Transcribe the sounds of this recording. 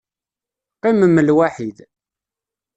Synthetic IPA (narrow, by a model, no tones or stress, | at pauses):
qːɪməmːəlwaħið